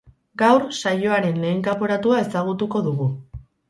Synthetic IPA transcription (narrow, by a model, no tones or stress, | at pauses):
ɡawɾsajo̞aɾe̞nle̞ːŋkapoɾat̪uae̞saɣ̞ut̪uko̞ðuɣu